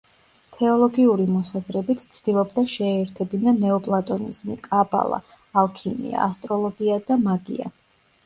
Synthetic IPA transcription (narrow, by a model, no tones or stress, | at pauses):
t̪ʰɛɔlˠɔɡiuɾimɔsazɾɛbit̪ʰt̪sʰd̪̥ilˠɔbd̪aʃɛːɛɾt̪ʰɛbinanɛɔpʼlˠat̪ʼɔnḭzmḭkʼaba̰lˠa̰ː | lˠkʰimḭa̰ast̪ʼɾɔlˠɔɡiad̪amaɡḭa̰